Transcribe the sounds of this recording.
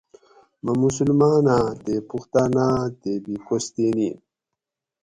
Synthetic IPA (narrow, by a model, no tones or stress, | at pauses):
mɐmusulmaːnad̪epuxt̪aːnaːd̪ebikost̪eni